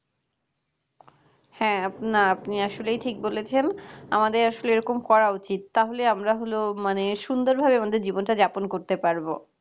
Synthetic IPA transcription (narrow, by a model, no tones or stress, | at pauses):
hɛ̃apnaapniaʃolejʈʰik̚bolet͡ɕʰenamad̪eɾaʃoleeɾɔkomkɔɾaut͡ɕit̪ːaɦoleamɾaɦolomaneʃund̪oɾbʱabeamad̪eɾd͡ʑibonʈad͡ʑaponkoɾt̪epaɾbo